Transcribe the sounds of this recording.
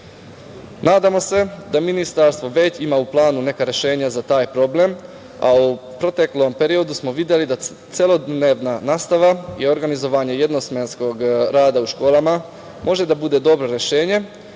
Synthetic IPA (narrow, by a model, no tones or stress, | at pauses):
naːd̪amo̞se̞d̪aminist̪aɾst̪ʋo̞ʋe̞t͡ɕimauplˠaːnune̞kaɾje̞ʃe̞ːɲazat̪aːjpɾo̞ble̞m | a̰upɾo̞t̪e̞klˠo̞mpe̞ɾio̞d̪usmo̞ʋid̪je̞lid̪a | t̪selo̞d̪neːʋnanaːst̪aʋaio̞ɾɡanizo̞ʋaːɲe̞je̞d̪no̞sme̞nsko̞ɡɾaːd̪auʃko̞ːlama | mo̞ʒe̞d̪abud̪e̞d̪o̞bɾo̞ɾe̞ʃeːɲe̞